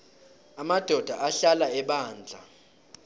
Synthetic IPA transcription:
amad̥ʱɔd̥ʱaʔaɬalaɛɓaːnd͡ɮʱa̰

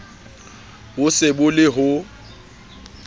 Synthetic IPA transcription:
bʊsɪbʊlɪɦʊ

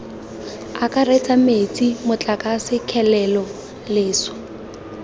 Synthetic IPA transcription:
akʼaret͡sʼamet͡sʼimʊt͡ɬʼakʼasɪkʰɛlɛlɔ | leːsɔ̥

